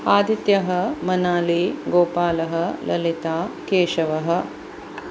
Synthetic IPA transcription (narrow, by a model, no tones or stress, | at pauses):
aːd̪it̪jɐɦɐ̆mɐnaːliɡoːpaːlɐɦɐ̆lʔɐ̰lit̪aːkeːʃɐʋɐɦɐ̆